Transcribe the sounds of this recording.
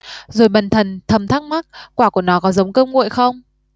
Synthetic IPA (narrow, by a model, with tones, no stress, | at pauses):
zo˨˩jɓə˨˩nt̪ʰə˨˩nt̪ʰə˨˩mt̪ʰaː˦˥k̚ma˦˥t̚kwaː˧˩ku˧˩ənɔ˨˦kɔ˨˦zə˨˦wŋ͡mkəː˧mŋṵ˧˨jxə˧wŋ͡m